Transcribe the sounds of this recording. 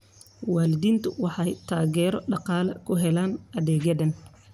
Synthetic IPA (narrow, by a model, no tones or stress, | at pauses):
waːlɪðiːnt̪ʰʊwɑħɑjt̪ʰaːɣɛːɾɔɖɑqɑːlɐ̰kʰʊɦɛlaːnʔɐðɛːɣɐðɐn